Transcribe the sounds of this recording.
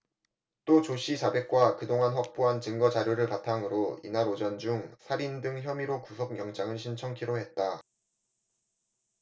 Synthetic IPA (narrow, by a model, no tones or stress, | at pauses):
t͈ot͡ɕoɕ͈ʰit͡ɕabe̞k̚k͈wakɯdoŋanɸwak̚p͈oɦant͡ɕɯŋɡʌt͡ɕaɾjoɾɯɭpatʰaŋɯɾoḭnaɾod͡ʑʌnd͡ʑuŋsʰaɾindɯŋçjʌmiɾokusʰok̚mjʌŋd͡ʑaŋɯɭɕʰint͡ɕʰʌŋkʰiɾoɦe̞t̚t͈a